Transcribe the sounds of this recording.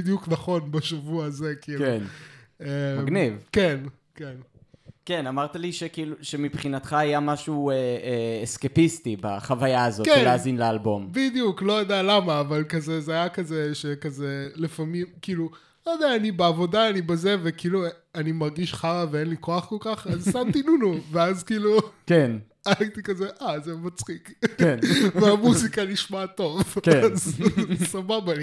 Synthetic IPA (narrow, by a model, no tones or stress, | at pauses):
id̪ijuknaχo̞nbaʃavuazekiːlkunemɡnivken | ke̞nkenamaʁt̪aliʃekiːluʃemipχinat̪χaajamaʃueeːskepist̪iba̰χavajaːzokenlazinlealbo̞mbid̪ijuklo̞jod̪ealamaːvalkazezeajakazeʃekazelefamimkiːlu | lojod̪eaːnibeavo̞daːnibeze̞vekiːluanimaʁɡiʃχaʁaveenlikoaχko̞lkaχazsamt̪inunuveazkiːluken | aaɡt̪ikazeʔazemat͡sχiknveamuzikaniʃmat̪o̞vkazsababali